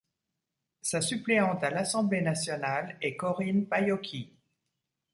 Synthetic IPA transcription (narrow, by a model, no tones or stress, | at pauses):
sasypleɑ̃t̪alasɑ̃blenasjɔnalɛkɔʁinpajɔkʲʰi